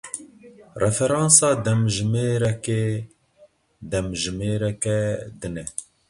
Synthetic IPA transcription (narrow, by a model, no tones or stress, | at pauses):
rɛfɛɾɑːnsɑːd̪ɛmʒɨmeːɾɛke | d̪ɛmʒɨmeːɾɛkɛd̪ɨnɛ